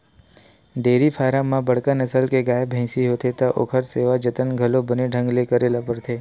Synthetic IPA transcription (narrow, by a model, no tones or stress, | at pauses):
ɖeɾifʰaɾamːãbəɽkanəsəlkeɡajbʱɛ̃siɦot̪ʰet̪aʔo̰kʰəɾseʋad͡ʒət̪ənɡʱəlobəneɖʱə̃ŋɡlekəɾelapəɾt̪ʰe